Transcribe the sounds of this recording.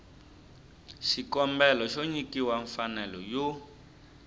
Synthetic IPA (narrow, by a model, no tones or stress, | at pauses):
ʃikɔmbɛlɔʃoɲikiwaɱfanɛlɔjo